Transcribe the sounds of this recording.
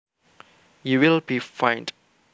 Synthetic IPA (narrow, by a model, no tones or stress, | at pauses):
juwilbifãɪ̃nd